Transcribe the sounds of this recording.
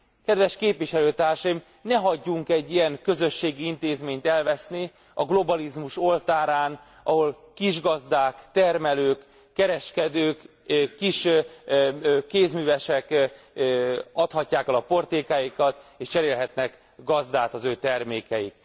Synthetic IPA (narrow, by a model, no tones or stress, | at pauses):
kɛd̪ʋɛʃkeːpvʋiʃɛløːt̪aːrʃɒjim | nɛɦɒɟːuŋkɛɟːijɛŋkø̞zø̞ʃːeːɡiint̪eːzmeːɲt̪ɛlvɛsni | ɒɡlo̞bɒlizmuʃo̞lt̪aːɾaːn | ɒɦo̞l | kiʒɡɒzd̪aːkt̪ɛrmɛløːkː | ɛɾɛʃkɛd̪øːk | kːiʃ | eːzmyːvɛʃɛk | ɒt̪hɒcːaːkɛlɒpo̞rt̪eːkaːjikɒt̪eːʃt͡ʃɛɾeːlɦɛt̪nɛk | ɡɒzd̪aːt̪ɒzøːt̪ɛrmeːkɛjḭk